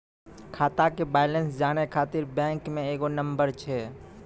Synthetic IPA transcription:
kʰaːt̪akebaːɪlənsd͡ʒaːnekʰaːt̪ɪɾbɛ̃ːŋkmẽeːɡonə̃mbəɾt͡ʃʰɛː

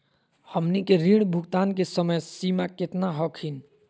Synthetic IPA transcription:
həmnikeɾiɽbʱuɡt̪ankesəməjsimaket̪naɦɔkʰin

